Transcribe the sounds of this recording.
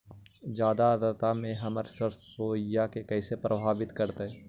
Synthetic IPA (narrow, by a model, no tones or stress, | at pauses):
d͡ʒjaːd̪aəd̪ət̪amẽɦɐməɾsəɾsoːjakekɛːsepɾʔəbʱaːbɪt̪kəɾt̪eɦɛ